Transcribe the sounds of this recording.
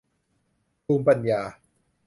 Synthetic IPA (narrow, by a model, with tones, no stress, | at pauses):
tʰuː˧mpa˨njaː˨˩